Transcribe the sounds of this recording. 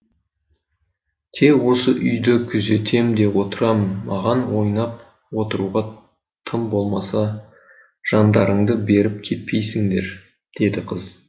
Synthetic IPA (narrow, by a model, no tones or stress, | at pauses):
t̪ʰe̞kwo̞səʔʏjd̪ɪkʲʰʏze̞t̪ʰe̞md̪e̞wo̞t̪əɾɑmnmɑʁɑnwo̞jnɑp̚ | wo̞t̪əɾuʁɑ | t̪ʰəmbo̞lˠmɑsɑ | ʒ̥ɑnd̪ɑɾəɴd̪əbe̞ɾɪp̚kʲʰe̞t̪̚pʰe̞jsɪŋd̪e̞ɾ | d̪̥e̞d̪ɪqʰəz